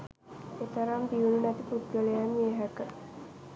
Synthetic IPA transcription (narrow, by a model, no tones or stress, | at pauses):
et̪əɾamd̪iununæt̪iput̪̚ɡəlejamːieɦækə